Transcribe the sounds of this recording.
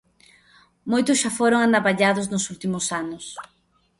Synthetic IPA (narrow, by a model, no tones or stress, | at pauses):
mojt̪ʊsʃafoɾoŋand̪aβaʎaðʊznʊsult̪imʊsanʊs